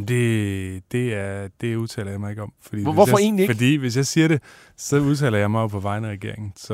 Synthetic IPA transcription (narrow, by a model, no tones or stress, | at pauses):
d̥e̝d̥e̝æɐd̥e̝uðˠt͡sʰɛ̰ːlɐjɑ̈ɪmɑe̝ɡ̥ɒ̽mfɒd̥ḭːeɔsjɒe̝̰ːnlifɒd̥ḭːʋe̝s̬jɑ̈ɪsiːɐɾe̝ | sɒ̽uð̞ˠt͡sʰɛ̰ːlɐjɑ̈ɪmɑ̈ɪopʰɒ̽ʋɑ̈ɪnæʁɛɡ̥e̝ɐeŋn̩sɒ̽